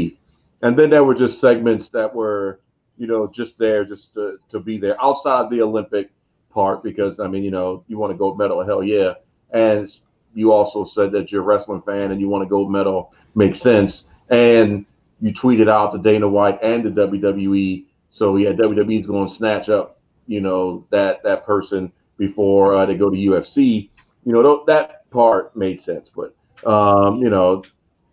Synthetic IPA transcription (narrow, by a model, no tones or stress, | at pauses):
ɨ̃nðɨ̃nðə˞wə˞d͡ʒʌstsɛɡ̚mɨ̃ntsðɨt̚wə˞ | jɨnoʊd͡ʒʌst̪̚ðə˞d͡ʒʌstʰɨtʰɨbiðə˞ʔaʊtsaɪd̪̚ðioʊlɪ̃mpɪk̚ | pʰɑɹt̚b̥ɨkʰʌzaɪmĩnjɨnoʊjɨwɑ̃nɨɡoʊmɛɾl̩ˠɦɛlˠjæ | ɨ̃ns | jɨɔlˠsoʊsɛd̪̚ðɨt͡ʃə˞ɹɛslɪ̃ŋfæ̃nɨ̃njɨwɑ̃ñɨɡoʊmɛɾl̩ˠ | meɪksɛ̃ns | ɨ̃n | jɨtʰw̥iɾɨɾaʊt̪̚ðɨdẽɪ̃nəwaɪɾɨ̃nðɨdʌbl̩ˠjʉdʌbl̩ˠjʉi | soʊjædʌbljʉdʌbl̩ˠizɡoʊə̃nsnæt͡ʃʌp̚ | jɨnoʊðɨt̪̚ðɨt̚pʰɜ˞sɨ̃n | b̥ɨfɔɹʌðeɪɡoʊɾɨjʉɛfsi | jɨñoʊðoʊðɨt̚pʰɑɹt̚meɪd̥sɛ̃nsb̥ʌ̰t̚ | ʔʌ̃mjɨñoʊ